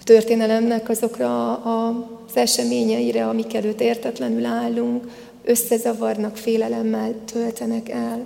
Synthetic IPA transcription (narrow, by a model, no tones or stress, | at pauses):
t̪ø̞rt̪eːnɛlɛmnɛkɒzo̞krɒː | z̥ɛʃɛmeːɲɛjiɾɛɒmikɛløːt̪ːeːrt̪ɛt̪lɛnylaːlːuŋk | ø̞sːɛzɒvɒrnɒkfeːlɛlɛmːɛlt̪ʰølt̪ɛnɛkɛl